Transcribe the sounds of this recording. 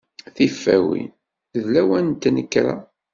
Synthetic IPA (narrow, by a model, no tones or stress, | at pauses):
θifːæ̰wḭn | ðlæwænt̪ːnəkːɾa̰